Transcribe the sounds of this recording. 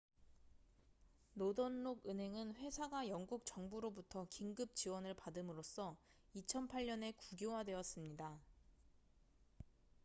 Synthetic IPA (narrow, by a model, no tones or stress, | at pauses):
nodonːoɡɯnɦe̞ŋɯnɸwe̞sʰaɡajʌŋɡuk̚t͡ɕʌŋbuɾobutʰʌkiŋɡɯp̚t͡ɕiwʌnɯɭpadɯmɯɾos͈ʰʌ | it͡ɕʰʌnpʰaɭɲʌne̞kuɡjowadwe̞ʌs͈ɯmɲida